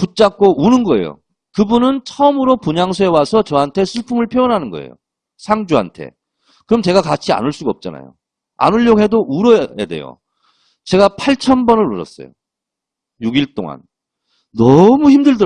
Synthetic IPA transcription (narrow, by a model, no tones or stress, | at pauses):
put͡ɕ͈ak̚k͈oʔunɯnɡʌe̞̰jo̰ | kɯbunɯnt͡ɕʰʌmɯɾopuɲaŋsʰoe̞wasʰʌt͡ɕʌɦantʰe̞sʰuɭpʰumɯɭpʰjoʌnɦanɯnɡʌ̰ḛjo̰ | sʰaŋd͡ʑuɦa̰ntʰe̞̰ | kɯɾʌmt͡ɕe̞ɡakat͡ɕʰia̰nɯɭs͈uɡaʌp̚t͡ɕ͈ana̰jo̰ | a̰nuʎːoɦe̞doʔuɾʌḛde̞̰jo̰ | t͡ɕe̞ɡapʰaɭt͡ɕʰʌnbʌnɯɾoɾʌ̰s͈ʌ̰jo̰ | juɡiɭt͈o̰ŋa̰n | nʌmuçimdɯɭdɯ